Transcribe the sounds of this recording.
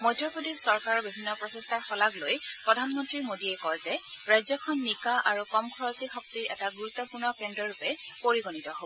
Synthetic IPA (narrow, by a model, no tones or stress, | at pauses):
mɔjdʰɔpodexsɔɹkaɹɔɹbibʱinːɔpɹɔsestaɹxɔlaɡlojpɹɔdʱanmɔntɹimodiɛkɔjzɛɹajzɔkʰɔnːikaʔaɹukɔmkʰɔɹɔzixɔktiɛtaɡuɹut̪ːɔpʊɹnɔkɛndɔɹupɛpoɹiɡonitɔɦobɔ